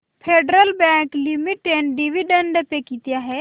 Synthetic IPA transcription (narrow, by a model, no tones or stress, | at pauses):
pʰeːɖɾəlbɛ̃ːŋklimɪʈːẽɳʈɖiʋiɖə̃ɳɖpekit̪ijaɦɛː